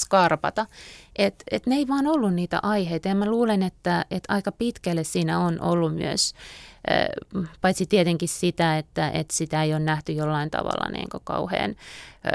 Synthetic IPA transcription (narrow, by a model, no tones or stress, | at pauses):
skɑrpɑt̪ɑʔet̪et̪neeiʋɑːnolːunniːt̪æ̰ʔɑiheit̪ɑjɑmæluːlenet̪ːæet̪ɑikɑpit̪kælːessiːnæonʔo̰lːummy̰ø̰s | pɑit̪sit̪iet̪eŋkissit̪æet̪ːæʔḛt̪sit̪æeijonnæht̪yjolːɑint̪ɑ̰ʋɑ̰lːɑ̰nḭːŋkokɑ̰uhḛːn